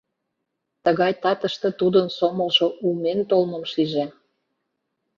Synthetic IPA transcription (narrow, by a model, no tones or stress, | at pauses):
t̪əɣɑjt̪ɑt̪əʃt̪ĕt̪ud̪ənsomə̆lʒoʔument̪olmə̆mʃiʒe